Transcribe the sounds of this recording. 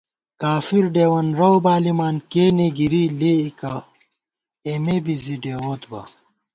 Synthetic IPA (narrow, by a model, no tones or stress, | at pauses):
kaːfiɾɖeːwɐnɾɐwbaːlimaːnkeːneɡiɾiːleːikɐ | emebiziɖeːwoːt̪bɐ̰